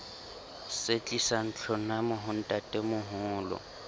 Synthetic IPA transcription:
set͡ɬʼisan̩t͡ɬʰɔnamʊɦʊn̩tʼatʼemʊɦʊːlɔ̰

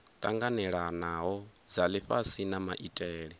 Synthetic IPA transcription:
t̪ʼaŋɡanɛɺanaɦɔd͡zaliɸasinamaʔitʼɛːɺi

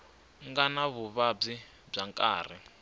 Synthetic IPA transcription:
ŋɡanaβuβab͡ʐi | b͡ʐaŋkʼa̰ːr̤i

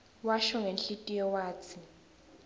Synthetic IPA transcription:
waʃɔŋenɬʼitʼijɔwaːt͡sʰi

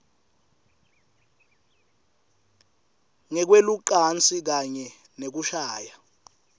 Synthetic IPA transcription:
ŋɛk̬weluǃant͡sʼik̬aɲɛ | nek̬uʃaːja

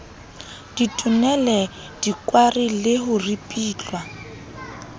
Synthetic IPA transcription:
d̥itʼʊnɛlɛ | d̥ikʼwarilɪhʊripʼiːt͡ɬwa

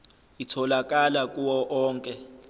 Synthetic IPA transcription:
itʰɔlak̬ʼalakʼuwɔʔɔːŋkʼɛ

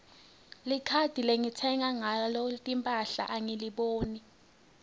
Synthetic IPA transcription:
likʰad̥ʱileŋitʰɛŋaŋalɔtʼimpʼaɬa̰ʔaŋiliɓoːni

